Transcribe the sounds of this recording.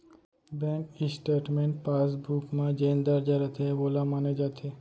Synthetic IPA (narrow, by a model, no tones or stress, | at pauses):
bɛŋkisʈeʈmeɳʈ̚pasbʱukmãd͡ʑend̪aɾd͡ʑaɾat̪ʰebolamaned͡ʒat̪ʰe